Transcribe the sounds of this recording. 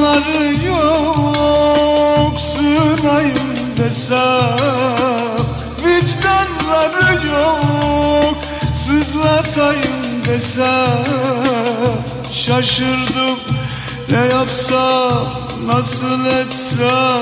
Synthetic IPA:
aɾɯjo | ksɯnajɯm | d̪ɛsæ | vid͡ʒd̪anlˠaɾɯjo | k | sɯzlˠat̪ʰajɯm | d̪ɛsæ | ʃaʃɯɾd̪ɯm | nɛjapsa | nɑsɯlˠɛt̪sæ

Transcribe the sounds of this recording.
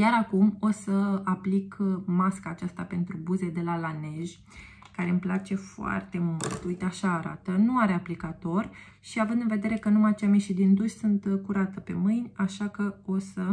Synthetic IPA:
jaɾakumo̞səaplikmaskaːt͡ʃast̪ape̞nt̪ɾubuze̞d̪e̞lalane̞ʒʲ | kaɾe̞ɨmplat͡ʃe̞foa̰rt̪e̞mult̪ujt̪eaʃaːɾa̰t̪ənuaɾe̞aplikat̪o̞rʲ | ʃiavɨnd̪ɨnve̞d̪e̞ɾe̞kənumat͡ʃameʃid̪ind̪uʃʲsunt̪kuɾat̪əpe̞mɨjnʲaʃakəo̞sə

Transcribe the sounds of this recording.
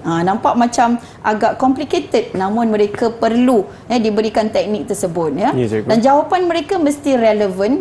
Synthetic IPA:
ʔãnãmpaʔ̚mãt͡ʃam | ʔaɡaʔkɔmpliket̪əd̚nãmʊ̃nmə̃ɾekapərlu | jədibəɾikant̪ɛk̚nik̚t̪ərsəbʊt̪̚jədand͡ʒawapanmə̃ɾekamə̃st̪iɾɛləvən

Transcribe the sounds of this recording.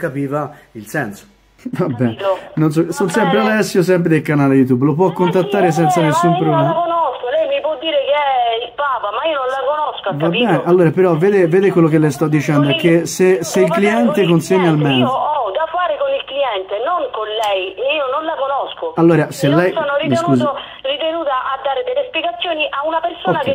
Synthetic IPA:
kapiːvailsɛ̰nso̥ | vabːɛnenons̬ɔsonsɛmpɾealɛsːjos̬ɛmp̬ɾed̪elkanaːlejut̪ubːlopwɔkːont̪at̪ːaːɾes̬ɛnt̪sanesumpɾokonoskolɛjmipwɔd̪ːiːɾekeɛilpaːpamaiononlakonoskoavkabɛːneʔalːoːɾapeɾɔveːd̪eveːd̪ekwelːok̟elːɛjst̪ɔd̪ːit͡ʃɛnd̪oɛkːeseseilkliɛnt̪ekonseɲːaalmɛnɔd̪afːaːɾekonilkliɛnt̪enoŋkonlɛjiːononlakonɔskoalːoːɾasellːɛjsoːnorimisnkuːzo | rit̪enuːt̪aʔad̪ːaːɾed̪elːespjeɡat̪sːjoːniʔaunapersnake

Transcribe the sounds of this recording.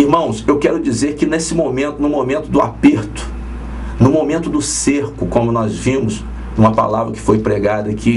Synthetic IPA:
iɾmɐ̃w̃sewkɛɾʊd͡ʒizeɾkɪnesɪmomẽnt̪ʊnʊmomẽnt̪ʊd̪ʊapeɾt̪ʊ̥ | nʊmomẽnt̪ʊd̪ʊseɾkʊkõnd̪ʊnɔzvĩmʊs | ũmɐpa̰lavɾɐkɪ̥fojpɾeɡad̪ɐkʰi

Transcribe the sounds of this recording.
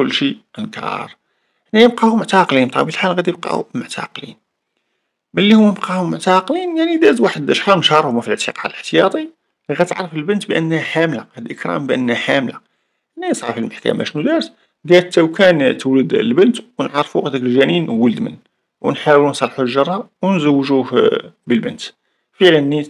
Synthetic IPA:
kʊlːʃiʔənkɾ̰ˤɑ̰ɾˤ | hənːæjəb̚qɑhʊmʊʕt̪ɑqlint̪ˤɑ̰bilħalɣæd̪jəb̚qɑ̰mʊʕt̪ʰɑ̰qlḭn | məlːihʊməbqɑhʊmːʊʕt̪ɑqlinjaʕnid̪æzwaħəd̪ʔəʃħɑnʃɑɾˤhʊmæfiləʕt̪ʰiqɑʕələħt̪əjɑt̪ˤi | ɣæt̪ʕɾˤəfəlbənt̪bʔənːhæħamlahæd̪iʔəkɾˤɑ̰mbʔə̰nːhæħamla | nːæjsˤʕɑ̰filməħkæ̰mæ̰ʃnud̪æɾəs | ɡ̪æt̪ːæwkænt̪əwləd̪lbənt̪wnʕɑɾˤfuqt̪əkəlʒæninwələd̪mə̰n | wnħawlunsˤɑlːħuʒɑɾˤːɑwnzəwːʒuhbəlbənt̪ | fəʕlənːi

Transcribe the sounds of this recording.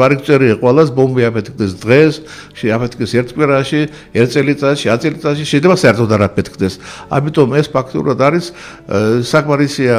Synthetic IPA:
vaɾikʰt̪sʼɛɾiaqʼwɛlasbɔmbiapʰɛt̪kʰd̪ɛsd̪ʁɛs | ʃapʰɛt̪kʰʼisɛɾt̪ʰkʼwiɾaʃi | ɛt̪sʼɛlit̪sʼat̪ʃiat̪sʼilit̪sʼat̪ʃiʃɛjdlɛbasaɛɾt̪ʰɔd̪aɾapʰɛt̪kʰd̪ɛsa̰mit̪ʼɔmɛspʰakʰt̪ʼḭṵɾad̪aɾisː | akʰʼmaɾisia

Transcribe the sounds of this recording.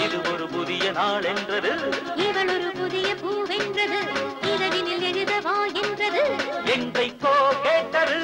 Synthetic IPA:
ɪðɯɔɾɯpʊðɪjɐnaːɭɛndrɐðɯɪʋɐɭɔɾɯpʊðɪjɐpuːʋɛndrɐðɯɪðɐʋɪnɪlɛɻɯðɐʋaːɛndrɐðɯɛndrɐɪkːoːkeːʈːɐðɯ

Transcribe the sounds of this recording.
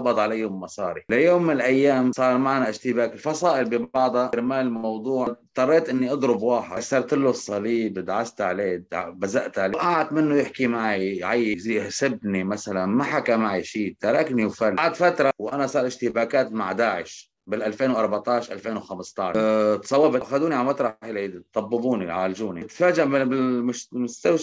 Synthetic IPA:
ɑbɑd̪ˤʕalajːʊmːɑsˤɑːɾilajoːmːɪnɪlʔajːaːmsˤɑːɾˤmaʕnaʔɪʒt̪ɪbaːkɪlfɑsˤɑːʔɪlbibɑʕd̪ˤɑɾmaːlmɑwd̪ˤuːʕt̪ˤːɑrˤːeːt̪ʔɪnːiʔɑd̪ˤɾʊbwɑːħɪsɑɾˤt̪ɪlːʊsˤːɑliːbd̪ʕast̪ʕleːd̪ʕbazaʔt̪aʕleʔaʕad̪mɪnːʊjɪħkimaʕiʕajːhsɪbnimasalanmaħakamaʕiʃiːt̪ɑɾˤɑkniwfalʕad̪fat̪ɾˤɑwʔanasˤɑːɾˤʔɪʃt̪ɪbaːkaːt̪ma̰ʕd̪aːʕɪʃ | bɪlʔalfeːnwʔɑɾˤbaʕt̪ˤɑʕʃʔa̰lfeːnwxamst̪ˤɑʕt̪sˤɑwːɑbʔxad̪uːniʕalmat̪ɾˤɑħlit̪ˤːɑbːɪbuːniʕaːlʒuːnit̪faːd͡ʒaʔbɪbɪlmʊʃmʊst̪aw

